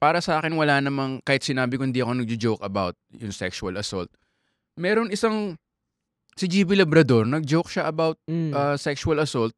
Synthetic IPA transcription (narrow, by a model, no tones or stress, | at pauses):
paːɾɐsɐʔaːkɪnwɐlaːnɐmɐŋkaːhɪt̪sɪnaːbɪkohɪnd̪iːʔɐko̞nɐɡ̚d͡ʒʊd͡ʒowkɐba̰wt̪̚jʊŋsɛksʊɐlɐso̰lt̪̚ | mɛːɾo̞nɪsaŋ | sɪd͡ʒiːbɪlɐbɾɐd̪o̞ɹnɐɡ̚d͡ʒowkʃaʔɐbawt̪̚ʔɐːsɛksʊɐlɐsolt̪̚